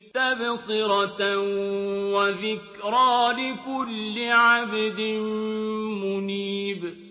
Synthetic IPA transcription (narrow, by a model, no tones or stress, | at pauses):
t̪ːabɪsˤiːɾɑt̪ | waðɪkɾɑːlɪkʊlːɪʕabd̪ɪ | mʊniːb